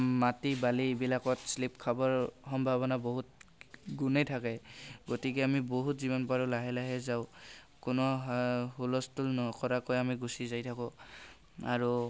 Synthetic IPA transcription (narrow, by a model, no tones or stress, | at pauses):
matibalibilakɔtslipkʰabɔɹxɔmbʱabɔnaboɦut̚ɡunejtʰakɛɡotikeamiboɦutzibɔnpaɹɔlaɦɛlaɦɛzaʊ | kʊnɔɦulɔstulnɔkɔɹakojamiɡusizajtʰakɔ | aɹu